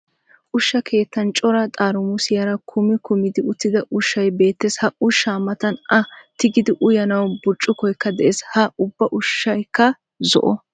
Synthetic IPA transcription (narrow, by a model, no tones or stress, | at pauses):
ʔʊʃːɐkʰe̞ːt̪ːɐnt͡ʃʼɔɾɐt̪ʼaːɾʊmʊsɪjɐɾɐkʰʊmɪkʊmɪd̪ɪʊt̪ːɪd̪ɐʔʊʃːɐjbe̞ːt̪ːeshɐʔʊʃːaːmɐt̪ɐnɐt̪ɪɡɪd̪ɪʔʊjɐnɐwbʊt͡ʃʼːʊkɔjkːɐd̪ɛʔeːshɐʊbːɐʔʊʃːɐjkːɐ | zɔ̰ʔɔ